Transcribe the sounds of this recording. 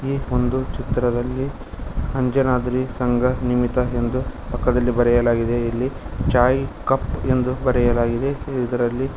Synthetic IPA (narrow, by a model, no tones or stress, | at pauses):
iːond̪ut͡ʃit̪ɾɐd̪ɐlːi | ɐɲd͡ʒɐnaːd̪ɐɾisɐŋɡʱɐnimit̪ɐe̞nd̪upɐkːɐd̪ɐlːibɐɾɛjɐlaːɡid̪eilːit͡ʃaːjkɐpːe̞nd̪ubɐɾɛjɐlaːɡid̪e̞d̪ɐɾɐlːi